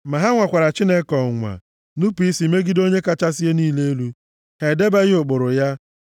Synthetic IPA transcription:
ma˨ɦa˦ŋʷa˨kʷa˨ɾa˨t͡ʃi˦ne˦kɔ˨ŋʷa̰˨ | nu˦pi˦si˨me˦ɡɪ˦do˦ɲe˦ka˦t͡ʃa˦s̬i˦e˦niː˦le˦e˦lu˦ | he˨de˦be˦ɣɪ˦ʊ˨k͡pʊ˨ɾʊ˨ja˦

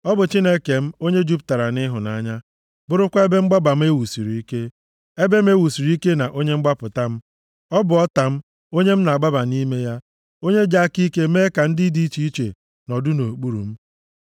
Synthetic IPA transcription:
ɔ˦bʊ˨t͡ʃi˦ne˦ke˨m̩˦o˦ɲe˦d͡ʒu˦p̚ta˨ɾa˨nɪ˦ɦʊ˨na˨˦ɲa˦ | bʊ˦ɾʊ˦kʷa˦e˦be˦ŋ͡m̩˦ɡ͡ba˦ba˨m̩˦e˦wu˨si˨ɾi˨i˦ke˦ | e˦be˦m̩˦e˦wu˨si˨ɾu˦i˦ke˦na˨ʔo˦ɲe˦ŋ͡m̩˦ɡ͡ba˦pʊ˨ta˦m̩˦ | ɔ˦bʊ˨ɔ˦ta˨m̩˦ | o˦ɲe˦m̩˦na˨a˨ɡ͡ba˦ba˨ni˦me˦ja˦ | o˦ɲe˦d͡ʒa˦ki˦ke˦meː˦ka˨n̩˦dɪ˦di˦i˦t͡ʃi˦i˦t͡ʃḛ˨ | nɔ˨dʊ˦no˨k͡pu˦ɾṵ˨m̩˦

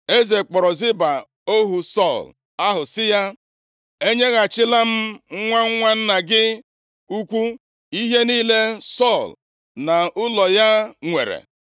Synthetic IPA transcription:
e˦ze˨k͡pɔ˨ɾɔ˨zɪ˦ba˨ | o˦ɦu˨sɔ˦˨l | a˦ɦʊ˨sɪ˦ja˦ | e˦ɲe˦ɣa˨t͡ʃɪ˦la˦m̩˦ŋ̩˦ŋʷa˦ŋ̩˦ŋʷa˦n̩˦na˨ɡɪ˦ | u˦kʷu˦ | i˦ɦe˦niː˦le˦sɔ˦˨l | na˨ʊ˦lɔ˨ja˦ŋʷḛ˨ɾḛ˨

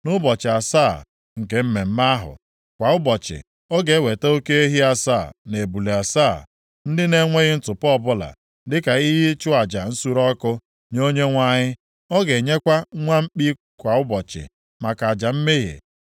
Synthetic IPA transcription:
nʊ˦bɔ˨t͡ʃɪ˨a˨sa˦˨ | ŋ̩˨ke˨m̩˦me˨m̩˦ma˦ɦʊ̰˨ | kʷa˨ʊ˦bɔ˨t͡ʃɪ̰˨ | ɔ˦ɡe˨˦we˨te˦o˦ke˦e˦ɦi˦a˨sa˦˨ne˨bu˨le˨a˨sa˦˨ | n̩˦dɪ˦ne˦ŋʷe˦ɣɪ˦n̩˦tʊ˨pbʊ˦la̰˨ | dɪ˦ka˨i˦ɦɪ˦t͡ʃʊ˦a˨d͡ʒa˨n̩˦su˦ɾɔ˦kʊ˦ | no˦ɲe˦ŋʷa˦ɲɪ˦ | ɔ˦ɡe˨ɲe˦kʷa˦ŋʷa˦m̩˦k͡pi˦ | kʷa˨ʊ˦bɔ˨t͡ʃɪ̰˨ | ma˨ka˨a˨d͡ʒa˨m̩˦me˦ɦḛ˨

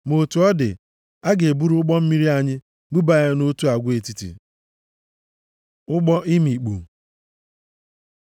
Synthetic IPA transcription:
mo˨tu˨ɔ˦dɪ̰˨ | a˦ɡe˨bu˦ɾu˦ʊ˦k͡pɔ˦m̩˦mi˦ɾi˦a˦˨ɲɪ˦ | ɡ͡bu˦ba˨˦a˦no˦tu˦a˨ɡʷe˨ti˦tḭ˨ | ʊ˦ɡ͡bɔ˦i˦mi˨k͡pṵ˨

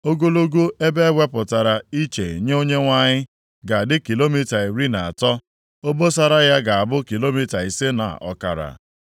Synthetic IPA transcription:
o˦ɡo˦lo˦ɡo˦e˦be˦wʷe˦pʊ˨ta˨ɾa˨i˦t͡ʃe˨ɲe˦o˦ɲe˦ŋʷa˦ɲɪ˦ | ɡa˨dɪ˦ki˨lo˦mi˦ta˨i˨ɾi˦na˨a̰˨tɔ˦ | o˦bo˦sa˦ɾa˦ja˦ɡa˨a˨bʊ˦ki˨lo˦mi˦ta˨i˨se˦na̰˨ʔɔ̰˨ka̰˨ɾa̰˨

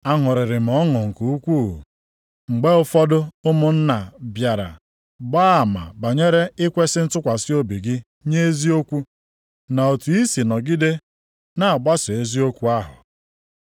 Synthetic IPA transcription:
a˦ŋʊ˨ɾɪ˨ɾɪ˨m̩˨ɔ˦ŋɔ˨ŋ̩˨ku˨u˦kʷṵ˦˨ | ŋ͡m̩˨ɡ͡be˦ʊ˦fɔ˦dʊ˦ʊ˦mʊ˨n̩˦na˨bja˨ɾa̰˨ | baː˦˨ma̰˨ba˨ɲe˦ɾe˦ɪ˦kʷe˦sɪ˦n̩˦tʊ˦kʷa˨sɪ˦o˦bi˨ɡɪ˦ | ɲe˦e˦zi˦o˦kʷu˦ | na˨o˨tu˨i˦si˨nɔ˨ɡi˦de˦ | na˨a˨ɡ͡ba˦sɪ˨e˦zi˦o˦kʷu˦a˦ɦʊ̰˨

